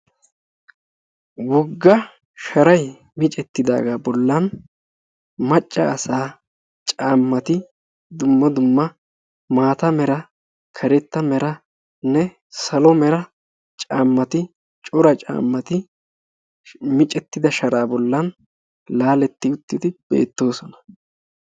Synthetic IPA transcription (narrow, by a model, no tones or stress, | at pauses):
wɔɡːɐ | ʃɐɾɐj | mɪt͡ʃʼɛt̪ːɪd̪a̰ːɡaːbɔlːɐn | mɐt͡ʃʼːɐːsaː | t͡ʃʼaːmːɐt̪ɪ | d̪ʊmːɐd̪ʊmːɐ | maːt̪ɐmɛɾɐ | kʰɐɾɛt̪ːɐmɛɾɐ | nɛ | sɐlɔmɛɾɐ | t͡ʃʼaːmːɐt̪ɪ | t͡ʃʼʊɾɐt͡ʃʼa̰ːmːɐt̪ɪ | mɪt͡ʃʼɛt̪ːɪd̪ɐʃɐɾaːbɔlːɐn | laːlɛt̪ːɪʊt̪ːɪd̪ɪb̥e̞̰ːt̪ːo̞ːsɔnɐ̥